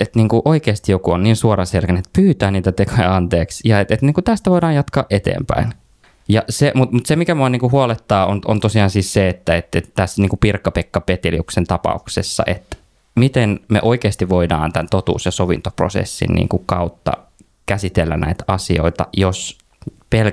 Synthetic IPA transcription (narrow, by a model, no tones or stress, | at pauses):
et̪niːŋkuʔoikeːst̪ijokuonniːnsuorɑselkænet̪pyːt̪æːniːt̪æt̪ekʰojɑɑnt̪eːksjɑet̪et̪niːŋkut̪æst̪æʋoidɑːjɑt̪kɑ̰ːʔet̪ḛːmpæ̰in | jɑsemut̪mut̪semikæmuɑniːŋkuhuɑlet̪ːɑːonont̪osiɑːnsiːsseet̪ːæet̪et̪t̪æsːniːŋkupirkːɑpekːɑpet̪iliuksent̪ɑpɑ̰uksesːɑ̰ʔet̪ | mit̪enmḛʔoikeːst̪iʋʋoidɑ̰ːnt̪ænt̪ot̪ṵːsjɑsoʋint̪opro̰sḛsːḭnnḭːŋkukɑut̪ːɑ̰ | kæsit̪elːæ̰nʔæ̰it̪ɑsio̰it̪ɑ̰jos | pel